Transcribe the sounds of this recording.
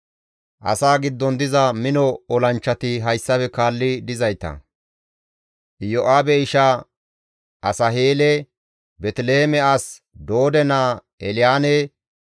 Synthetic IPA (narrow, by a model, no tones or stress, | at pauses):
ʔɐ̰saːɡɪd̪ːɔnd̪ɪzɐmɪnɔɔlɐnt͡ʃːɐt̪ɪɦɐjsːɐpɛkaːlːɪd̪ɪzɐjt̪ɐ̰ | ʔɪjɔʔaːbɛɪʃa | ʔɐsɐɦeːlɛ | bɛt̪ɪlehɛmɛɐs | d̪oːd̪ɛnaː | ɛlɪjaːne